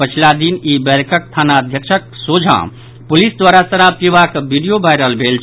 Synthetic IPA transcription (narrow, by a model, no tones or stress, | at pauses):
pət͡ʃʰilad̪inibɛɾkəkt̪ʰanaəd̪ʱjəkt͡ʃʰək̚sod͡ʒʱã̰ | pulisd̪waɾasəɾab̚t̪ibakbʱiɖijobʱajɾəɦəlbʱelt͡ʃʰ